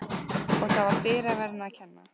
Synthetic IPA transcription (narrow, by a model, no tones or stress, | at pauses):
ɔɣθavaɾ̥fɪːɾavɛɾnacʰɛnːa̰